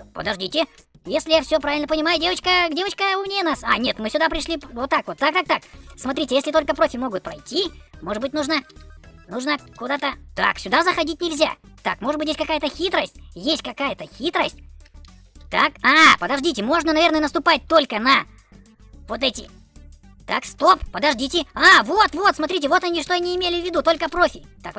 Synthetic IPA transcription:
pə̰d̪ɐʐdʲitʲɪ | jesʲlʲɪjafsʲopɾavʲɪlʲnpənʲɪmajʊdʲe̞vət͡ɕkəɡdʲe̞vət͡ɕkəʊmnʲenasa̰nʲe̞t̪mɨsʲʊd̪apɾʲɪʂlʲivot̪ːakvot̪ːak̚t̪ak̚t̪aksmɐt̪ɾʲitʲɪjesʲlʲɪt̪o̞lʲkəpɾo̞fʲɪmo̞ɡʊt̪̚pɾɐjtʲimoɨbɨtʲnuʐnənuʐnəkʊd̪at̪ət̪a̰ksʲʊd̪azəxɐdʲitʲnʲɪlʲzʲa̰t̪a̰kmoʐɨt̪bɨtʲjesʲkɐkajət̪əxʲit̪ɾəsʲtʲjesʲt̚ʲkɐkajət̪əxʲit̪ɾəsʲtʲ | t̪akapəd̪ɐʐdʲitʲɪmo̞ʐnənɐvʲe̞rnəjənəst̪ʊpat̚ʲt̪o̞lʲkənɐ | vo̞t̪ɛtʲɪ̰ | t̪a̰kst̪o̞ppəd̪ɐʐdʲitʲɪavo̞t̪vo̞t̪smɐt̪ɾʲit̬ʲɪvo̞t̪ɐnʲiʂt̪oɐnʲiːmʲelʲɪvʲːɪd̪ut̪o̞lʲkəpɾofʲɪt̪ak

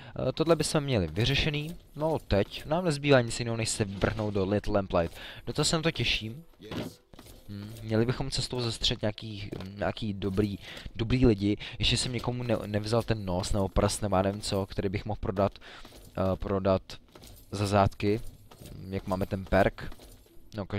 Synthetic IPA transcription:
t̪odlɛbɪsmɛmɲɛlɪvɪrɛʃɛniːnot̪ɛcnaːmnɛzbiːvaːɲɪt͡sjɪnoɦonɛʃsɛvr̩ɦno̞w̚dolɪt̪lɛmplajt̪d̥ot̪asɛnat̪o̞cɛʃiːm | m̩ːmːɲɛlɪbɪxo̞mt͡sɛst̪owzast̪r̝̥ɛt̪ɲaːkiːɲa̰ːkiːdobɾiːdo̞bɾiːlɪɟɪjɛʃcɛsɛmɲɛko̞munnɛvzalt̪ɛnːosnɛbopr̩st̪nɛbojaːnɛvɪmt͡so̞kt̪ɛɾiːbɪxmoxpɾo̞dat̪ | pɾodat̪zazaːt̪kɪ | jakmaːmɛt̪ɛnpɛɾk | nokaʒ

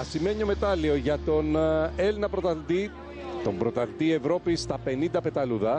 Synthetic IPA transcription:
ɐsime̞ɲio̞me̞t̪ɐlio̞ʝɐt̪o̞nelnɐpɾo̞t̪ɐt̪i | t̪o̞mbɾo̞t̪ɐθt̪ie̞vɾo̞pist̪ɐpe̞nind̪ɐpe̞t̪ɐluðɐ

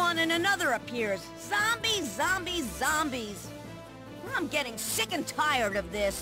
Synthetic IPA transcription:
ʌ̃nɨ̃nɨnʌðə˞ɨpʰɪɹz | z̥ɑ̃mbizɑ̃mbiɑ̃mbiz̥ | ãɪ̃mɡɛɾɪ̃ŋsɪkɨ̃ntʰaɪə˞ɾʌvðɪs

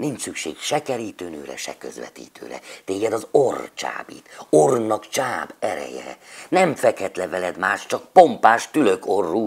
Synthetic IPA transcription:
nint͡ʃsykʃḛːkʃɛkɛɾiːt̪øːnøːɾɛ̰ʃɛ̰kø̰zʋɛ̰t̪ḭːt̪ø̰ːɾɛ̰t̪eːɡɛd̪ɒzort͡ʃa̰ːbḭːt̪ornɒkt͡ʃaːbɛɾɛ̰jɛ̰ɾɛ̰nɛɱfɛkhɛt̪lɛvɛlɛd̪maːʃt͡ʃɒk̚po̞mpaːʃt̪ylø̞korːuː

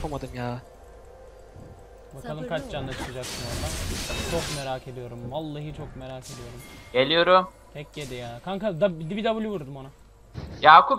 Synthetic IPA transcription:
pʰamad̪ɯmjaː | bakʰalˠɯmkʰat͡ʃd͡ʒanːat͡ʃʰɯ̥kɯd͡ʒaksɯnoɾat͡ʃʰo̞kme̞ɾaːcʰe̞d̪ijo̞ɾumvalˠːaɦit͡ʃʰo̞k̚me̞ɾaːkʰe̞d̪ijo̞ɾumɟ̥e̞lʲijo̞ɾum | t̪ʰɛc̚ːed̪ijaːkʰaŋkad̪abid̪ibid̪abulʲivuɾd̪umo̞na | jaːkup

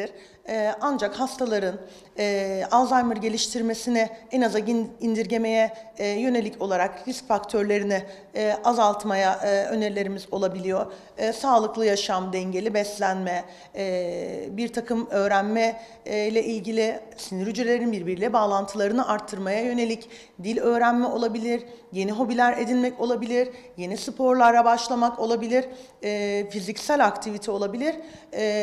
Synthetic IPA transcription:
iɾ | ɛand͡ʒakhast̪ʰalˠaɾɯnː | azajmɯɾɟe̞lʲiʃt̪ʰiɾme̞sinɪɛnazaind̪iɾɟe̞me̞jɛjø̞ne̞lʲicʰo̞lˠaɾakɾiscfakt̪ʰøɾlʲe̞ɾinɪː | azalˠt̪majaø̞̰neɾlʲe̞ɾimizo̞lˠabilʲijo̞ɾ̥ | saːlˠɯklˠɯjaʃamd̪ɛɲɟe̞lʲibɛslʲænmɛ | biɾt̪ʰakʰɯmø̞ːɾænmɛ | jlʲɛʔilʲɟilʲisiniɾyd͡ʒɾelʲeɾinbiɾbiɾlʲɛbaːlˠant̪ʰɯlˠaɾɯnɯʔaɾt̪ʰːɯɾmajajø̞ne̞lʲic | d̪ilʲø̞ːɾænmɛo̞lˠabilʲiɾje̞niɦo̞bilʲæɾe̞d̪inmɛco̞lˠabilʲiɾje̞nisɯpʰo̞ɾlˠaɾlabaʃlˠamako̞lˠabilʲiɾ | ɛːfizicsælʲakt̪ʰivit̪ʰio̞lˠabilʲiɾ̥

